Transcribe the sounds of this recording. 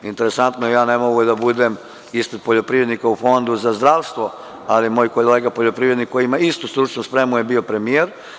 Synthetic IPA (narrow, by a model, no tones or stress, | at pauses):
int̪e̞ɾesant̪nojejaːnemoɡujed̪abud̪em | ispɾed̪̚po̞ʎo̞pɾiːʋɾe̞d̪nikaufo̞nd̪uzazd̪ɾaʋst̪ʋo̞ | alimo̞ːjko̞lleːɡapoʎo̞pɾiʋɾed̪nikːojimaist̪ust̪ɾut͡ʃnuspɾemujebio̞pɾe̞mijeɾ